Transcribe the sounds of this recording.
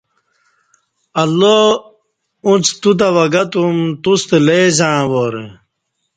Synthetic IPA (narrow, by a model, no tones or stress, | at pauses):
ɐlːo | ũt͡st̪ut̪̬awɐɡɐt̪umt̪ust̪eleːzãwoɾḛ